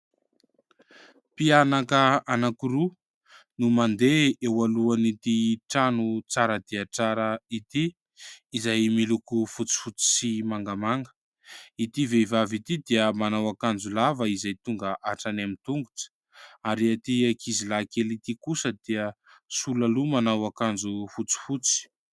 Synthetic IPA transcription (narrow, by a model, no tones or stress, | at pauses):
pianakəanakuɾu | numand̪eewaluanit̪iʈ͡ʂanut͡saɾəd̪̥iat͡saɾəit̪iː | zajmilukufut͡si̥fut͡si̥simaŋɡamaŋɡə̥ | it̪iveivavit̪id̪iəmanawakand͡zulavəizajt̪uŋɡəʔaʈ͡ʂanamint̪uŋɡu̥ʈ͡ʂə̥ | aɾiat̪iakizilakelit̪ikusəd̪̥iə | sulalumanawakand͡zufut͡si̥fut͡si̥